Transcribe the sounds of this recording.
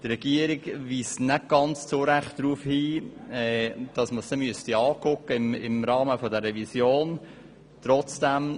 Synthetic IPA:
tɾɛɡ̥iəɾɪɡviːsnɛt̚ɡ̥ɑnt͡st͡soɾæχtd̥ɾuːfhiːɛːd̥ɑsməsd̥ɛmyəstiɑːkʊkːəɪmɪ̰mɾɑːməfodəɾɛvisjoːn | t̪ɾɔt͡sd̥æm

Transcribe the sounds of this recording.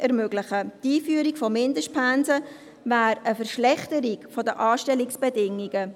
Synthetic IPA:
ɛɾmøɡlɪχətiːfyːɾiɡfɔmɪndəʃt̚pʰanzə | væːɾəfəɾʃlɛχtəɾiɡfɔdəʔɑːʃtɛliksb̥ɛdɪŋːiɡ̥ə

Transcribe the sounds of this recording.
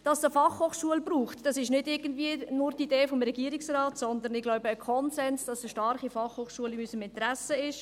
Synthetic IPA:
d̥ɑsdəfɑχhoːχʃuəlbruːχtd̥ɑsɪʃnɪdɪɾɡən̩dviənʊɾtideːfomɾɛɡiːəɾiksraːtsɔnd̪ənɪɡlɔʊbəːkʰɔnsɛnsd̥ɑsəʃtɑɾχifɑχhoːχʃuəlimysəmɪntɾæsəɪʃ

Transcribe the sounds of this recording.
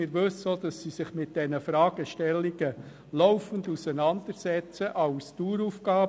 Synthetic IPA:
ɪɾʋɵsod̥̪ɑsːisɪχmɪt̚d̥ɛnəfɾɑːɡ̥əʃtɛlːiɡ̥ə | lɔʊfən̩dusənɑnd̥əɾsɛt͡səʔɑʊstuːɾufɡ̥ɑː

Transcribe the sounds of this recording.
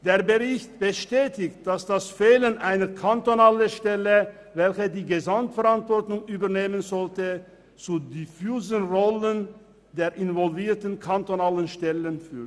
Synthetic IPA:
d̥eːɐbəʁɪçtb̥əʃtɛːtɪçt̚d̥asd̥asfeːlənʔaɪnɐkʰantonaːləʃtɛlə | vɛlçədiːɡəzamtfɛʁantv̥ɔɐtʊŋyːbɐneːmənzɔltə | t͡suːdifyːzənʁɔlən | deːɐʔɪnvɔlviːɐtən̩kʰantonaːlənʃtɛlənfyː

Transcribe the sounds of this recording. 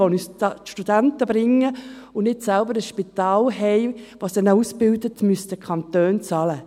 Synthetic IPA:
ɔnyːsʃtudæntəbɾɪŋːə | ʊnnɪtsɛlbəɾəsʃpitɑːlɦɛɪʋɑsd̪ɛnausbɪldətmystəkʰɑntøːnt͡sɑlə

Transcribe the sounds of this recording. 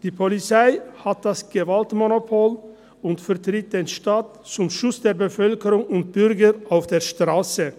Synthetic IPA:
d̥iːpʰɔlɪsæɪhɑt̪̚d̪ɑsɡ̥əʋɑlt̪mɔnʊpʰoːl | ʊnt̪fœɾt̪ʰɾɪt̪̚d̪eːnʃtɑːt̪ | sʊmʃʊsd̪eːɾbəfœlkəɾʊŋʊnt̪̚b̥ʏɾɡəɾʔaʊfd̪eːɾʃt̪ɾɑːsə

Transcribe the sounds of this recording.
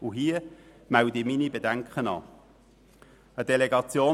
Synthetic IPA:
uɦiːə | mældiminibedæŋkχənɑ̰ː | ədeleɡɑt͡sjoː

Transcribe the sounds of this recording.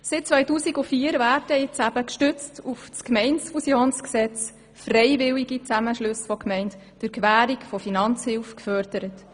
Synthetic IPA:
sɪt̚t͡sʋœjtuːsiɡufiːəɾvæːrdəjɪt͡sæbəkʃtʏt͡stʰufskmɛɪnsfusjoːnsksɛt͡s | frɛɪvɪliɡit͡sæməʃlɵsfɔkmɛɪnt | d̥ɨɾkʋæːɾikfɔfinɑnt͡shɪlfkfœɾdəɾət

